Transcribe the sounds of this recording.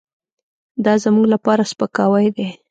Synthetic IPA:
d̪ɑzamuɡlapɑɾaspəkɑwajd̪e

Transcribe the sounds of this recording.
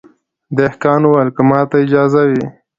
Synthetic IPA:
d̪ehkɑːnwalkəmɑːt̪aɪd͡ʒɑːzawi

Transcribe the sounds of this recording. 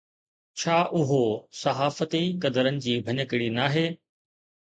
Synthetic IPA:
t͡ɕʰaːʔʊɦosɐɦaːfət̪ikɐd̪əɾənɪ̆d͡ʑiːbʱɐɲəkɪɽinaːɦeː

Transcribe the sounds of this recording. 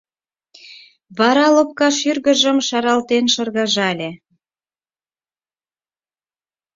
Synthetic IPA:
βɑɾɑlop̚kɑʃyrɣə̆ʒə̆mʃɑɾɑlt̪enʃɤ̆rɣɑʒɑlʲĕ

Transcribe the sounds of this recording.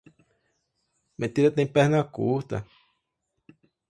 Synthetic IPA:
mẽt̪iɾat̪ãĩpehnãkṵt̪a̰

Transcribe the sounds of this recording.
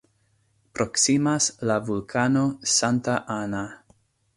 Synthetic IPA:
pɾoksimaslavulkʰano̞santaʔana

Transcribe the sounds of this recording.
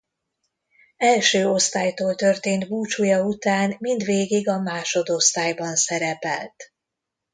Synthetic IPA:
ɛlʃøːo̞st̪aːjt̪oːlt̪ø̞rt̪eːnt̪buːt͡ʃujɒut̪aːnmind̪ʋeːɡiɡɒmaːʃo̞d̪o̞st̪aːjbɒnsɛɾɛpɛ̰lt̪

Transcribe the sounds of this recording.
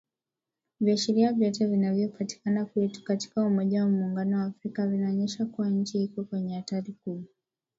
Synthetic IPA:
viaʃiɾiavjat̬avinavjɔpati̥kanakuɛtu̥kati̥kaumɔʄawamuːŋɡanɔwaːfɾikavinaɔɲɛʃakuwaɲ̩t͡ʃihikɔkwɛɲɛataɾiku

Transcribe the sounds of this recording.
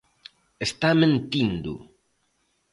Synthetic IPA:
est̪amẽnt̪ind̪ṵ

